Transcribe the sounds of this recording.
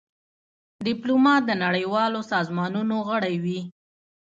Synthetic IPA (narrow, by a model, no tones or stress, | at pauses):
d̪ɪplomɑt̪̚d̪ənaɽəjwɑlosɑzmɑnunoɣəɽajwi